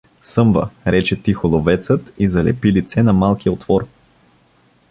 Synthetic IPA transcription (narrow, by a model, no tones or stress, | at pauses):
sɤmvə̰ɾɛt͡ʃɛt̪ixolˠovɛt̪sət̪izɐlɛ̰pilit̪sɛnɐmalˠkiot̪vɔɾ